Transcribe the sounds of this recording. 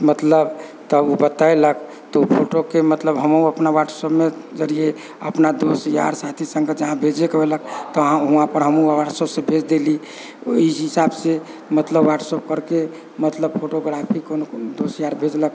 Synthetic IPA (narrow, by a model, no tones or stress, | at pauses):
mət̪ləbt̪ɔubət̪aelək | t̪ɔpʰoʈokemət̪ləbɦəmuəpnawaʈsəbmed͡ʒəɾije | ə̰pnad̪osja̰ɾsat̪ʰisə̃ŋɡed͡ʒəɦãbʱed͡ʒekelək̚t̪ɔɦãɦuãpəɾɦəmuwaʈsəbsẽbʱed͡ʒd̪eli | oiɦisabse | mət̪ləbwaʈsəb̚kəɾke | mət̪ləbpʰoʈoɡɾapʰikonod̪osjaɾbʱed͡ʒlək